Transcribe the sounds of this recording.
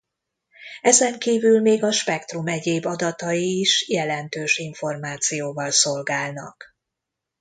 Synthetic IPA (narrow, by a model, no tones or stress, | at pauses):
ɛzɛŋkiːvylmeːɡɒʃpɛkt̪rumɛɟeːbɒd̪ɒt̪ɒjiːʃjɛlɛnt̪øːʃiɱfo̞rmaːt̪sijoːvɒlso̞lɡaːlnɒ̰k